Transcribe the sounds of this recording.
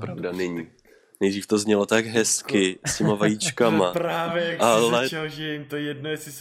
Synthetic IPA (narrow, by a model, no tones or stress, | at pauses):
pɾavdanɛɲiː | nɛjdriːft̪o̞zɲɛlo̞t̪aɡɦɛskɪscɛmavajit͡ʃkamaɾaːvjɛalɛɛɦoʒɪɪmt̪ojɛdnojɛsɪs